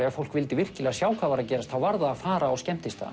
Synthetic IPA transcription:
ɛfowlkvɪlt̪ɪvɪr̥cɪlɛɣasjaːwkʰaːvaɾacɛːɾast̪θawvaɾðaːfaːɾaascɛm̥t̪ɪst̪a̰

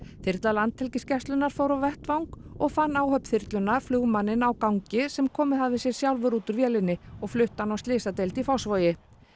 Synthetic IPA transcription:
θɪɾt̪lalant̪ʰhɛlcɪscɛst̪lʏnːaɾ̥fowɾawvɛht̪vawŋkɔɣfanːaːwhœpθɪɾ̥t̪lʏnːaflʏɣmanːɪnawkawɲcɪsɛmkʰɔːmɪðhaððɪsjɛɾ̥sjawlvʏɾuːt̪ʏɾvjɛːlɪnːɪɔɣflʏht̪anawst̪lɪːsat̪ejlt̪ifawsvɔːjɪ

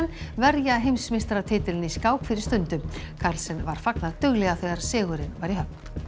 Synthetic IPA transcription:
nvɛɾjaɦejmsmɪst̪ɾat̪ʰɪːt̪ɪlɪniskaːwkfɪɾɪ̥ɾst̪ʏnt̪ʏkʰaɾlsɛnvaɾ̥faknaðt̪ʏɣlɛɣaθɛjɣaɾ̥sɪːɣʏɾɪnvaɾiɦœp̚n̥

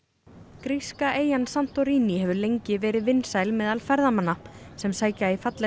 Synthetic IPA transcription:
kɾiskaʔeːjansan̥t̪ɔɾiːniɦɛvʏlejɲcɪvɛːɾɪðvɪnːsaːjlmɛːðalfɛɾðamanːasɛmsaːjcaifat̪lɛ

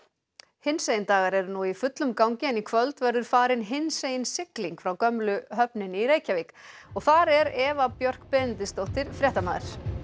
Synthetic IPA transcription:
hɪnsejɪnt̪aːɣaɾɛɾnuifʏt̪lʏmkawŋcɪnikʰvœlt̪vɛɾðʏɾ̥faːɾɪnɦɪnseːjɪnsɪkliŋkfɾawkœmlʏɦœpnɪniɾeːjcavɪkɔɣθaɾɛɾɛːvapjœr̥kpɛðɪnt̪ɪst̪owht̪ɪɾ̥fɾjɛht̪amaːðɪɾ̥

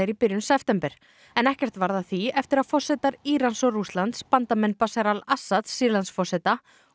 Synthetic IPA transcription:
ɾipɪɾjʏnsɛft̪ɛmpɛɾ̥ | ɛnɛhcɛr̥t̪vaɾðaθiɛft̪ɪɾaðfɔr̥sɛt̪aɾiːɾansɔrust̪lant̪spant̪amɛnpasaɾalasːat̪sːiːlansfɔrsɛt̪a

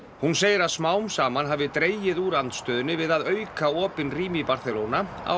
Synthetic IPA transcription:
hunseːjɪɾaðsmaːwmsaːmanɦaːvɪt̪ɾeːjɪðuːɾant̪st̪œːðʏnːɪvɪðaðœɥkaɔːpɪnriːmipaɾ̥θɛlowna | a̰

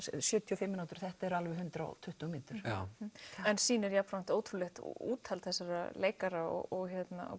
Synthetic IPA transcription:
sjʏːt̪ʰiɔfɪmːɪnaːwt̪ʏɾ̥θɛht̪aɛɾalvɛɦʏnt̪ɾa̰t̪ʰʏht̪umɪnt̪ʏɾ̥ | ɛnsiːnɛɾjapnant̪oːwt̪ʰɾulɛxt̪ṵːt̪ʰalθɛsːaɾa̰leːjkaɾaɔ̰ɣɔɣçjɛt̪na̰

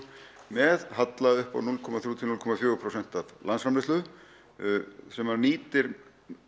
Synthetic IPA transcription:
mɛðhat̪laðʏhpa̰wnulkʰɔmaθɾjuːt̪ʰɪlulkʰɔmafjœːɣʏpʰɾosɛn̥t̪aðlansfɾamɾɪst̪ʏ | sɛmaɾniːt̪ɪɾ

